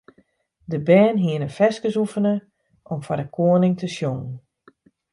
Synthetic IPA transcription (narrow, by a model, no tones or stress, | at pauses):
dəbɛːnɦiənənfɛskəsufənə | ʔɔmfɔrdəkʰoənɪŋtʰəsjoŋən̩